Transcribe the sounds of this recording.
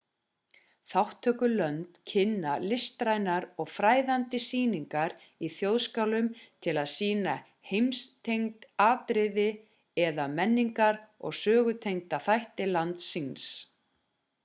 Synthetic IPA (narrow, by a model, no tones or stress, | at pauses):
θawht̪ʰœːkʏlœnt̪cʰɪnːalɪst̪ɾajnaɾɔɣfɾaːjðant̪ɪsiːniŋkaɾ | iθjowðskawlʏmt̪ʰɪlaðsiːna | hejmst̪ʰejŋt̪aːt̪ɾɪðɪ | ɛðamɛnːiŋkaɾɔ̰ɣsœːɣʏt̪ʰejŋt̪aθajht̪ɪlant̪sinns